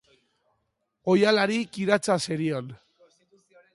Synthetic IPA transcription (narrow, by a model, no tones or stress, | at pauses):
ojalaɾikiɾat͡saseɾion